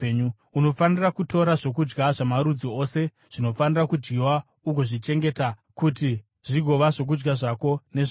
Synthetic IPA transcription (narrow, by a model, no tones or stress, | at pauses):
uno̞fanirakuto̞ɾaʐo̞k̬ud͡ʒɡaʐamaɾud͡zio̞se̞ | ʐ̥ino̞fanirakud͡ʒɡiwa | uɡoʐit͡ʃe̞ŋɡe̞takuti | ʐ̥iɡʱo̞ʋaʐo̞k̬ud͡ʒɡaʐako̞ne̞ʐ